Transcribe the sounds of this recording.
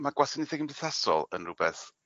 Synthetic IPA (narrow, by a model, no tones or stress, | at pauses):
maɡwasɪniθɛɡəmblˠɪθasɔ̰lˠə̰nrʊbɛθ